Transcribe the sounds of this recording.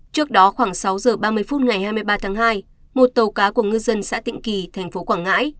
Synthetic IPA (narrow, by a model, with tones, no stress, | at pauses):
t͡ɕɨ˦˥ək̚ɗɔ˨˦xwaː˧˩ŋsa˨˦wzəː˨˩ɓaː˧mɨ˧əjfu˦˥t̚ŋa˨˩jhaː˧jmɨ˧əjɓaː˧t̪ʰaː˨˦ŋɦaː˧j | mo˨˩t̚t̪ə˨˩wkaː˨˦ku˧˩əŋɨ˧zə˧nsa̰ː˧˥t̪ḭ˧˨ŋ̟ki˨˩t̪ʰɛ˨˩ŋ̟fo˨˦kwaː˧˩ŋa̰ː˧˥j